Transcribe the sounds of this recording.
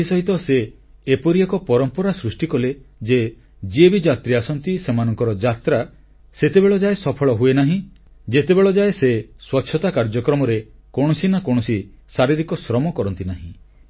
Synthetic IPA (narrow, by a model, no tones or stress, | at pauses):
isɔɦit̪ɔseː | pɔɾiakɔpɔɾɔmpɔɾasɾusʈikɔled͡ʒe | d͡ʒiebid͡ʒat̪ɾiasɔnt̪isemanɔŋkɔɾɔd͡ʒat̪ɾa | set̪ebeɭɔd͡ʒaesɔpʰɔɭɔɦuenaɦĩ | d͡ʒet̪ebeɭɔd͡ʒaeseswɔtːʃʰɔt̪akaɾd͡ʒɔkɾɔmɔɾe | koɽ̃ɔsinakoɽ̃ɔsi | saɾiɾikɔsɾɔmɔkɔɾɔnt̪inaɦḭ̃